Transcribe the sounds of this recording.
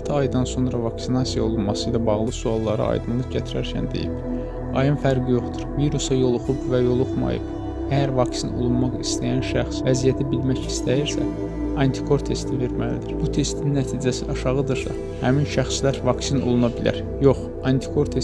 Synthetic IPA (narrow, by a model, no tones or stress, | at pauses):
t̪ʰɯɑjd̪ɑnso̞nɾɑvɑksinɑsijɑo̞lˠunmɑsɯjlɑbɑʁlˠɯsuɑlˠːɑɾɯ̰ɑ̰jd̪ɯnlˠɯɟæt̪ʰiɾæɾcʰæ̰nd̪e̞̰jḭb̥ | ɑ̰jɯnfæɾɡijo̞χt̪u̥ɾviɾusɑjo̞lˠoχubvæjo̞lˠoχmɑ̰jɯ̰b | æjæɾvɑksino̞̰lˠunmɑχist̪æjænʃæχsvæzijæt̪ʰibilmæcist̪ʰæjiɾsæ̰ | ɑnt̪ʰi̥kʰo̞ɾt̪ʰe̞st̪ʰive̞ɾmælḭd̪iɾ̥b̥ut̪ʰe̞st̪inːæt̪ʰiːd͡ʒæsiʔɑʃɑʁɯd̪ɯɾsɑ | hæminʃæχslæɾvɑksino̞̰lˠunɑbilæ̰ɾ | jo̞χ | ɑnt̪ʰi̥kʰo̞ɾt̪ʰe